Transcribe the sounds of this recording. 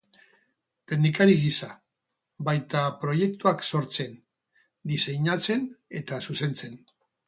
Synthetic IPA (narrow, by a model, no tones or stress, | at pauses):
t̪e̞nd̪ikaɾiɣisa | bajt̪apɾo̞je̞k̚t̪uakso̞ɾt͡se̞n | d̪ise̞ɲat͡se̞ne̞t̪asuse̞nt͡se̞n